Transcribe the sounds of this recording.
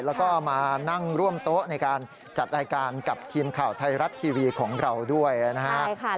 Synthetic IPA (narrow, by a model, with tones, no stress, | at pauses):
lɛː˦˥wkɔː˥˩ʔa˨˩wmaː˧na˥˩ŋɾu˥˩əmt̪o˦˥ʔ̚na˧jkaː˧n | t͡ɕa˨˩t̪̚ɾaː˧jkaː˧nka˨˩p̚t̪ʰiː˧mkʰaː˨˩wt̪ʰa˧jɾa˦˥t̪̚ʰːiː˧wiː˧kʰɔː˩˦ŋɾa˧wdu˥˩əjna˦˥kʰa˦˥˧